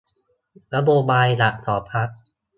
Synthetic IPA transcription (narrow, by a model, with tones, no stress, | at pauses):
na˦˥boː˧baː˧jla˨˩ʔt̪ɔː˩˦pʰa˦˥k̚